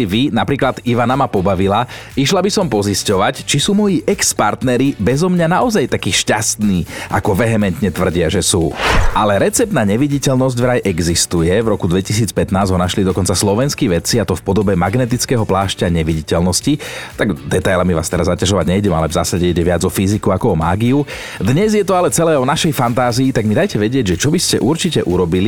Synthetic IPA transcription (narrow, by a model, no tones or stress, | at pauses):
iʋinapɾiːklad̪iʋanamapɔbaʋilaiʃlabisɔmpɔziscɔʋact͡ʃisuːmɔjiːʔɛkspaɾt̪nɛɾibɛzɔmɲanaʔɔzajt̪akiːʃcast̪niːʔa̰kɔʋɛɦɛmɛnt̪ɲɛt̪ʋr̩ɟɪaʒɛsuːʔalɛɾɛt͡sɛp̚t̪naːɲɛʋiɟicɛlnɔzɟvɾajʔɛɡzist̪ujɛvɾɔkud̪ʋɛcis̬iːt͡spɛt̪naːzɦɔnaʃlid̪ɔkɔnt͡saslɔʋɛnskiʋɛt͡siat̪ɔfpɔd̪ɔbɛmaɡnɛt̪it͡skɛːɦɔplaːʃcaɲɛʋiɟicɛlnɔscit̪aɡd̪ɛt̪ajlamiʋa̰ːst̪ɛɾazːacaʒɔʋaɟɲɛjɟɛma̰lɛvzaːsaɟɛiɟɛʋad͡zɔfizikuakɔɔmaːɡiu | d̪ɲɛzjɛt̪ɔalɛt͡sɛlɛːɔnaʃɛjfant̪aːziːt̪aɡmid̪ajcɛʋɛɟɪɛɟʒɛt͡ʃɔbiscɛʔuɾt͡ʃicɛʔuɾɔbili